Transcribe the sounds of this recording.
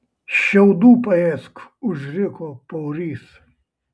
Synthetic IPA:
ʃʲɛʊd̪uːpɐɛskʊʒʲɾʲɪkoːpɐʊɾʲiːs

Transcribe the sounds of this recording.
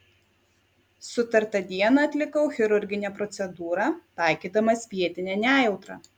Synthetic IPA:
sʊt̪ɐɾt̪ɐd̪ʲiɛnɐˑɐt̪ʲlʲɪkɐʊxʲɪɾʊɾʲɡʲɪnʲɛːpɾɔt̪sʲɛd̪uːɾɑt̪ɑˑɪkʲiːd̪ɐmɐspʲiɛt̪ʲɪnʲɛːnʲæːjɛʊt̪ɾɑ̰ː

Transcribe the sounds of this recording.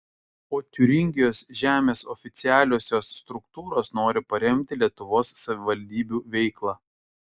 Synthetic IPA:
oːt̪ʲʊɾʲɪŋʲɡʲɪjoːsʒʲæːmʲeːsɔfʲɪt̪sʲɪæːlʲoːsʲoːsːt̪ɾʊkt̪uːɾoːsnoːɾʲɪpɐɾʲɛmʲt̪ʲɪlʲiɛt̪ʊʋoːsːɐʋʲɪʋɐlʲd̪ʲiːbʲuːʋʲɛɪklˠɑː

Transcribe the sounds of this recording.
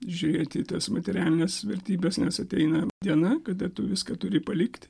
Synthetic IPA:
ʒʲʊɾʲeːt̪ʲit̪ɐsmɐt̪ʲɛɾʲæːlʲɪnʲeːsʋʲɛɾʲt̪ʲiːbʲɛsnʲɛsɐt̪ʲɛɪnɐd̪ʲiɛnɐkɐd̪ɐt̪ʊʋʲɪskɐt̪ʊɾʲɪpɐlʲɪkt̪ʲ

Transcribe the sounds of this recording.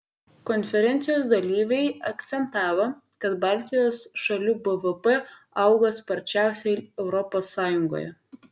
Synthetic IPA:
kɔnʲfʲɛɾʲɛnʲt̪sʲɪjoːsd̪ɐlʲiːʋʲɛɪɐkt̪sʲɛnt̪ɑːʋo | kɐt̪bɑːˑlʲt̪ʲɪjoːsʃɐlʲuːbəʋəpɛ | ɐʊɡɐspɐɾʲt͡ʃʲæˑʊsʲɛɛʊɾɔpoːsːɑːjʊŋɡo̰ːjɛ̰

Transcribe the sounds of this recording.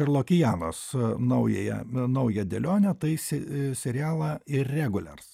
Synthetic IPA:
ɪɾlˠoːkʲɪjæːnoːsnɐʊjɛːjɛ̰nɐʊjɛd̪ʲɛlʲoːnʲɛt̪ɐɪsʲɛsʲɛɾʲɪæːlˠɐɪrrʲɛɡʊlʲɛ̰rs

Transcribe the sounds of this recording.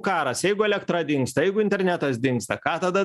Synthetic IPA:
kɑːɾɐsjɛɪɡʊɛlʲɛkt̪ɾɐd̪ʲɪŋkst̪ɐjɛɪɡʊɪnʲt̪ʲɛɾʲnʲæt̪ɐsd̪ʲɪŋkst̪ɐkɑːt̪ɐd̪ɐ

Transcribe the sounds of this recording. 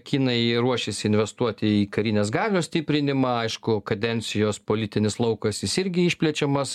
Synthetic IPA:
kʲiːnɐɪɾuɔʃʲɪsʲɪɪnʲʋʲɛst̪uɔt̪ʲɪiːkɐɾʲiːnʲeːs̬ɡɑːlʲoːsʲt̪ʲipʲɾʲɪnʲɪmɑɐɪʃkʊkɐd̪ʲɛnʲt̪sʲɪjoːspoːlʲit̪ʲɪnʲɪslˠɐʊkɐsjɪsɪɾʲɡʲɪiʃʲpʲlʲɛt͡ʃʲɛmɐs

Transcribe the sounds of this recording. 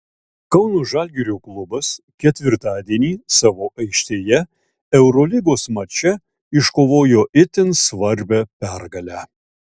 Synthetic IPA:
kɐʊnoːʒɑːˑlʲɡʲɛɾʲuːklˠʊbɐs | kʲɛt̪ʲʋʲɪɾt̪ɑːd̪ʲiɛnʲiːsɑːʋoːʔɐɪkʃʲt̪ʲeːjɛ | ɛʊɾoːlʲɪɡoːsmɐt͡ʃʲɛ | ɪʃkoːʋoːjoːʔɪt̪ʲɪnsʋɐɾʲbʲɛpʲæɾɡɐlʲæ

